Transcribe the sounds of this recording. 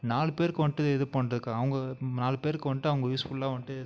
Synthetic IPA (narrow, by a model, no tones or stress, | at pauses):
naːlɯpeːɾɯkːɯʋɐɳʈːɯɛðɯpɐɳrɐðɯkːãːɐʋɐŋɡɐnaːlɯpeːɾkːɯʋɐɳʈːɯɐʋɐŋɡɐjuːsfʊllãːʋɐɳʈːɯɛð